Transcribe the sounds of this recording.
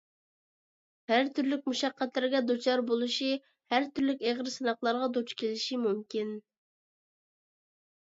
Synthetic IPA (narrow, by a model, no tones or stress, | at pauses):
hæɾt̪ʰyɾlɪkʲmuʃɑqːæt̪lɪɾɪɡʲɛd̪ot͡ʃʰɑɾbolˠuʃi | hæɾt̪ʰyɾlɪkʲeʁɾsɨnɑχlˠɑɾʁɑd̪ot͡ʃkʲʰelɪʃimumkʲin